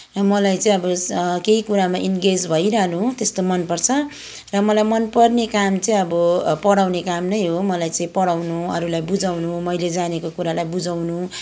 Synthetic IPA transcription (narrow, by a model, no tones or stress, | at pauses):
rʌmʌlajt͡sʌ̃ĩʌbʌkeikuɾamaʔinɡed͡zbʱʌjɾʌɦnut̪est̪omʌnpʌrt͡sʰʌ | rʌmʌlajmʌnpʌrnekamt͡sʌĩʌbʌpʌɽawnekamnʌjɦomʌlajt͡sʌĩpʌɽawnuʌ̰ɾulajbud͡zawnumʌjled͡zanekokuɾalajbud͡zawnu